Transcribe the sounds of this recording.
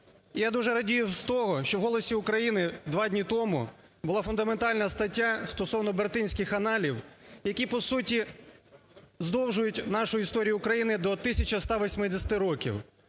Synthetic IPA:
ijad̪uʒɛɾɐdʲijʊst̪ɔɦɔʃt͡ʃɔwɦɔlˠɔsʲiʊkɾɐjinɪd̪ʋɑdʲnʲit̪ɔmʊ̰ | bʊlˠɑfʊnd̪ɐment̪ɑlʲnɐst̪ɐtʲːast̪ɔsɔʋnɔbert̪ɪnʲsʲkɪxɐnɑlʲiwjɐkʲipɔsutʲi | zd̪ɔwʒʊjʊtʲnɑʃʊjʊist̪ɔɾʲijʊːkɾɐjinɪd̪ɔt̪ɪsʲɐt͡ʃɐst̪ɑʋɔsʲmɪd̪ɪsʲɐt̪ɪɾɔkʲḭw

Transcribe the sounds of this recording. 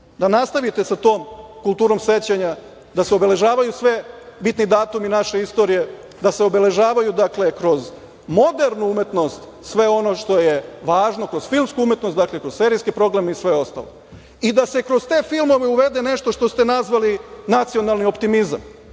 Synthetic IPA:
d̪anast̪aʋit̪e̞sat̪o̞ːmkulˠt̪uːɾo̞mse̞t͡ɕeɲa | d̪aseobe̞le̞ʒaːʋajusʋebit̪nid̪aːt̪uminaʃe̞ist̪o̞ɾije̞ | d̪ase̞obe̞le̞ʒaːʋajud̪akle̞kɾo̞z | mo̞d̪eɾnuume̞t̪no̞st̪sʋe̞o̞no̞ʃt̪o̞jeʋaːʒno̞kɾo̞zfilˠmskuumje̞t̪not̪d̪aklekɾo̞zse̞ːɾijskipɾo̞ɡɾamisʋe̞o̞st̪a̰lo̞ | id̪ase̞kɾo̞zt̪e̞ːfilˠmo̞ʋeuʋe̞d̪e̞ne̞ʃt̪o̞ʃt̪ost̪e̞nazʋalinat̪sio̞nalˠnio̞pt̪imiza̰m

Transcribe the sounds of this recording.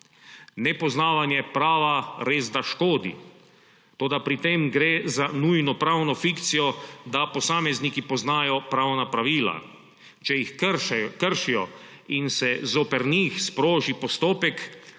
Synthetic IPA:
nɛpɔznaːʋanjɛpɾaːʋaɾeːzd̪aʃkoːd̪ḭ | t̪oːd̪apɾit̪emɡɾeːzanujnɔpɾawnɔfikt̪sijɔd̪apɔsaːmɛznikipɔznaːjɔpɾawnapɾaʋiːla̰ | t͡ʃɛjixkəɾʃijɔ | insɛzopɛɾniːxspɾoːʒipɔst̪oːpɛk

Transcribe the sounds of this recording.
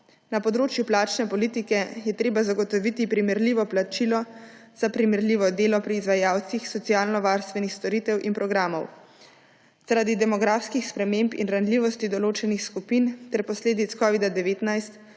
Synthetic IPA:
napɔd̪ɾoːt͡ʃjuplaːt͡ʃnɛpɔlit̪ikɛjɛt̪ɾeːbazaɡɔt̪ɔʋit̪ipɾimɛɾliːʋɔplat͡ʃilɔ | z̥apɾimɛɾliʋɔd̪eːlɔpɾiːzʋajaːwt̪sixsɔt̪sijaːlnɔʋaːɾst̪ʋɛnixst̪ɔɾit̪ɛwʔinpɾɔɡɾaːmɔw | z̥aɾad̪id̪ɛmɔɡɾaːfskixspɾɛmeːmpḭnɾanliːʋɔst̪id̪ɔloːt͡ʃɛnixskupint̪ɛɾpɔsleːd̪it̪skɔːʋid̪ad̪ɛʋeːt̪najst̪

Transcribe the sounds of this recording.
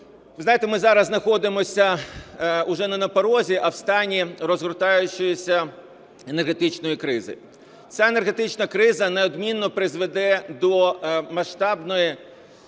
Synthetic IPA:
ʋɪzɑjet̪ɛmɪzɑɾɐznɐxɔd̪ɪmɔsʲɐ | ʊʒɛnɐnɐpɔɾɔzʲiʔɐwst̪ɑnʲirɔzɦɾʊt̪ɑjʊt͡ʃʊjɪsʲɐ | enerɦet̪ɪt͡ʃnɔjikɾɪzɪ̰ | t͡sʲaenerɦet̪ɪt͡ʃnɐkɾɪzɐneɔd̪mʲinːɔpɾɪzʋed̪ɛd̪ɔmɐʃt̪ɑbnɔji

